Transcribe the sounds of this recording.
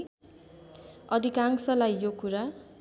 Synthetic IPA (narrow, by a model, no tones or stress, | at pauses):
ʌd̪ʱikaŋsʌlajjokuɾa